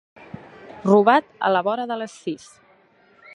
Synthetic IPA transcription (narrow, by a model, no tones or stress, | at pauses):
ruβat̪ə̰ləβɔɾəðələsːis